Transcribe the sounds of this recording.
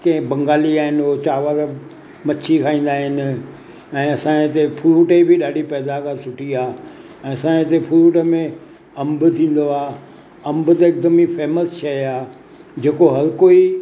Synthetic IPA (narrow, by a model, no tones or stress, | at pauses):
kɐ̃ɦɪ̃bɐ̃ŋɡaːliaːɦɪnot͡ɕaːʋaɾə | mɐt͡ɕʰikʰaːĩːn̆d̪aːɦɪnɪ̆ | ɛ̃ːɐsãːɪt̪epʰʊɾuːʈəibʱɪɗaːɖʱipɛːd̪akʰasʊʈʰiaː | ɛ̃ːɐsãɪt̪epʰʊɾuːʈəmẽ | ɐ̃mbt̪ʰĩːn̆d̪oaː | ɐ̃mbʊt̪eɪk̚d̪əmifʰeːməst͡ɕʰɐiaː | d͡ʑeːkoɦɐɾkoi